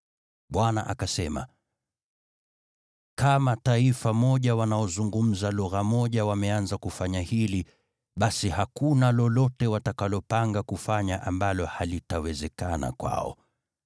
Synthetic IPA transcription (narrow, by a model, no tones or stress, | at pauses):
ɓwanaʔa̰kasɛma̰ | kamataifamɔʄawanaɔzuŋɡum̩zalɔɣamɔʄawamɛanzakufaɲahili | ɓasihakunalɔlɔtɛwatakalɔpaŋɡakufaɲaʔambalɔhalitawɛzɛkana̰kwa̰ɔ̰